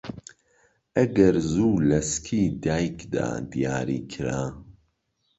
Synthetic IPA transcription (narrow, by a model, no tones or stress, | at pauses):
ɐɡɐɾzuːlɐskʰiːd̪aːjkd̪a̰ːd̪ijaːɾḭːkʰɨɾaː